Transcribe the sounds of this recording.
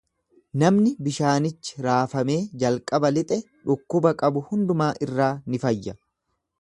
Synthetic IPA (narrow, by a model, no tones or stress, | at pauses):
nɐmnɪbɪʃaːnɪt͡ʃːɪ̥ɾaːfɐme̞ːd͡ʒɐlkʼɐbɐlɪt̪ʼɛ | ᶑʊkːʊbɐkʼɐbʊhʊnd̪ʊmaːʔɪrːaːnɪfɐjːɐ